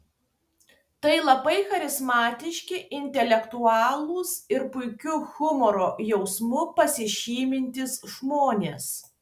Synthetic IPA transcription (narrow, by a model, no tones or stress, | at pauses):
t̪ɐɪlˠɐbɐɪxɐɾʲɪzmɑːt̪ʲɪʃʲkʲɪʔɪnʲt̪ʲɛlʲɛkt̪uɑːlˠuːsɪɾpʊɪkʲʊxʊmɔɾoːjɛʊsmʊpɐsʲɪʃʲiːmʲɪnʲt̪ʲɪsʒmoːnʲeːs